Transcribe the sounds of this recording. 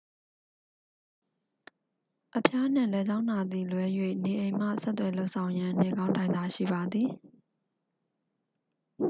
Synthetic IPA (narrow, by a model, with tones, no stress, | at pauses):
ʔəpʰja˦n̥ɪ̰̃˦˨lɛ˨˦d͡ʑã˦ʊ̃na˨d̪i˨lwɛ˦jwḛ˦˨ne˨ʔẽ˨ɪ̃m̥a̰˦˨sɛ˦t̪ːwɛ˨lo˦ʊʔsʰã˨ʊ̃jã˦ne˨ɡã˦ʊ̃ntã˨ɪ̃nd̪a˨ʃḭ˦˨ba˨d̪ði˨